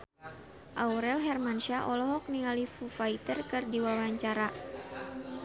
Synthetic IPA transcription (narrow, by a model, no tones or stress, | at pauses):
ʔauɾɛlɦɛrmanʃaʔɔlɔɦɔk̚niŋalifufait̪ərkɨrdiwawaɲt͡ʃaɾa